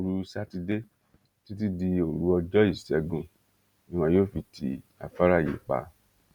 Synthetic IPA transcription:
ɾu˧sa˦ti˧de˦ | ti˦t̬i˦di˧o˨ɾu˨˦ɔ˧d͡ʒɔ˦i˦˨sɛ˨˦ɡũ˦˨ | ĩ˨˧w̃ã˧joː˦˨fi˧tʰḭ˧˦ | a̰˨fa˦ɾa˦˨jḭ˨k͡pa̰˧˦

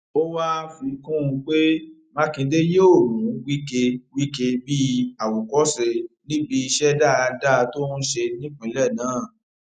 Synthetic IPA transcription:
o˦wa˦˧fi˨˦kũ˦˧k͡pe˦mã˦kĩ˧de˦je˦o˦˨ɾũ˨˦wi˦ke˧wi˦ke˧bi˦a˨wo˨kɔ˨˦sɛ˧nĩ˦bi˧i˧ʃɛ˦da˦˨˧da˦˧to˦nu˦ʃe˧nĩ˦k͡pĩ˨˦lɛ˦˨nãː˨˦˨

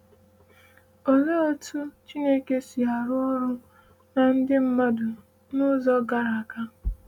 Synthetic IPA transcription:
o˨le˦o˦tu˦t͡ʃi˦ne˦ke˨si˨a˨ɾʊ˦ɾʊ˦ | na˨n̩˦dɪ˦m̩˦ma˦dʊ˨ | nʊ˦zɔ˦ɡa˨ɾa˨ka˦

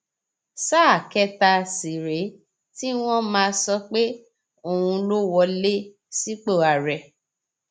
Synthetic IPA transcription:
sa˦˨kɛ˦ta˧si˨ɾe˨˦ | ti˦w̃ɔ̃˦mãː˧sɔ˧k͡pe˦ | o˨hũ˧lo˦wɔ˧le˦ | si˦k͡po˦˨a˨ɾɛ˨

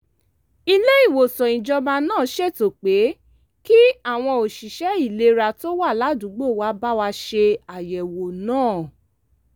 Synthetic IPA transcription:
i˦˧le˦i˦˨wo˨sɔ̃˨ĩ˨d͡ʒɔ˧mã˧nãː˦˨˦ʃe˦˨to˨k͡pe˨˦ | ki˦a˦˨w̃ɔ̃˧o˨ʃi˨ʃɛ˨˦i˦˨le˨˦ɾa˧to˦wa˦˨la˨˦dũ˨˦ɡ͡bo˦˨wa˧˦ba˦wa˧ʃe˧a˨jɛ˨wo˨nãː˦˨

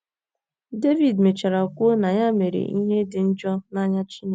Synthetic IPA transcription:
de˦vi˨dme˨t͡ʃa˨ɾa˨kʷʊ˦na˨ɲa˦me˨ɾḛ˨ʔi˦ɦe˦dɪ˨n̩˦d͡ʒɔ˦na˦ɲa˦t͡ʃi˦ne˨

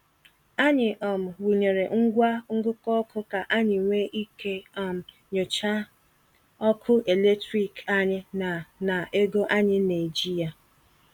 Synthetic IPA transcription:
a˦ɲɪ˨ʔɔ˨m̩˨wu˨ɲe˨ɾe˨ŋ̩˦ɡʷa˦ŋ̩˦ɡʊ˦kɔ˦kʊ˦ka˨ʔa˦ɲɪ˨ŋʷe˦ʔi˦ke˦ɔ˨m̩˨ | ɲo˨t͡ʃa˦ | ɔ˦kʰʊ˦ʔe˨le˦tɾi˨ka˦ɲɪ˦n˨na˨ʔe˦ɡo˦ʔa˦ɲɪ˦na˨d͡ʒi˦ja˨

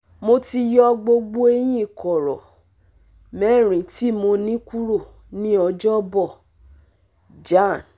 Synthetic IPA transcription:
mo˧ti˧jɔ˧ɡ͡bo˧ɡ͡bo˦e˧˦j̃ĩ˦˨kɔ˨ɾɔ˨ | mɛ˦˨ɾ̃ĩ˨ti˦mo˧nĩ˦ku˦ɾo˦˨ | nĩ˦ɔ˧d͡ʒɔ˦bɔ˦˨ | d͡ʒa˦˨n

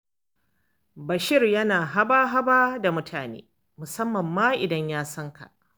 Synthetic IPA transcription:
bɐ˨ʃɪ˦rjɐ˦naː˨ɦa˦baː˦ɦa˦baː˦da˨mʊ˦tʰaː˨nḛː˦ | mʊ˨sɐ˦mːɐ˨mːaː˦ʔɪ˨dɐ˦ɲjaː˦sɐ˦ŋka̰˨ʔ

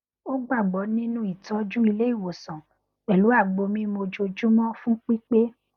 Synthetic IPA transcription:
o˦ɡ͡ba˦˨ɡ͡bɔ˨˦nĩ˦nũ˦i˦˨tɔ˨˦d͡ʒũ˦i˧le˦i˦˨wo˨sɔ̃˨ | ɛ˨lu˨˦a˦˨ɡ͡bo˧mĩ˦mo˧d͡ʒo˧d͡ʒu˦mɔ̃˦fũ˦k͡pi˦k͡pe˦

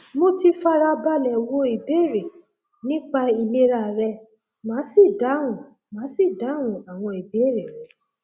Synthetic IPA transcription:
mo˦ti˧fa˦ɾa˧ba˧lɛ˨wo˧˦i˨be˦˨ɾe˨ | nĩ˦k͡pa˧i˧le˧ɾa˦˨ɾɛ˧ | mãː˨˦si˦˨da˨˦ɾũ˨ | mãː˨˦si˦˨da˨˦ɾũ˨a˨w̃ɔ̃˧i˨be˨˦ɾe˨

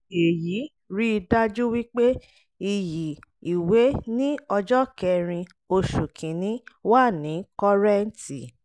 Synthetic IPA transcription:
e˨ji˨˦ | ɾi˦i˧da˦d͡ʒu˦wi˦k͡pe˦ | i˨ji˨i˨we˨˦nĩ˦ɔ˧d͡ʒɔ˦kɛ˧ɾ̃ĩ˧ | o˧ʃu˨kʰĩ˨nĩ˨˦wa˦˨nĩ˨˦kɔ˧ɾɛ˦n˨ti˨

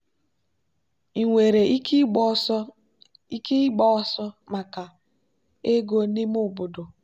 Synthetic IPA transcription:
i˨ŋʷe˨ɾe˨˦ | i˦ki˦ɡ͡bɔ˦sɔ˦ma˨ka˨ | e˦ɡo˦ni˦mʊ˦bʊ˨do˨

